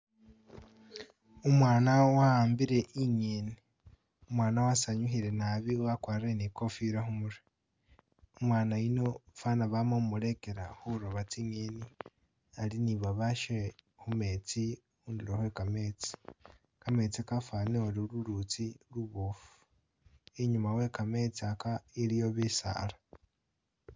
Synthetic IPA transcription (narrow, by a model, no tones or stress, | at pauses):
umwaːnawahaːmbiɾe̞ʔiɲeːni | umwaːnawasaɲuɦiɾe̞naβiuwakwaːɾenikofiɾaɦumuɾe | umwaːnaino̞fanaβamomuɾe̞ke̞ɾahuɾoβat͡siɲeːni | aliniβaβaʃe | hume̞t͡si | uːndiɾehwekame̞t͡si̥ | kame̞t͡sikafaneoɾiluɾut͡siluβufu̥ | iɲumawe̞kame̞t͡siakaiɾijoβisa̰la